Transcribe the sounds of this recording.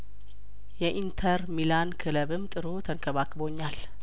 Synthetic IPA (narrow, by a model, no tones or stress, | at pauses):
jɛʔint̪ʰəɾmilankʰɨləβɨmːt̪ʼɨɾot̪ʰəŋkʰəβakʼːɨbo̞ɲːal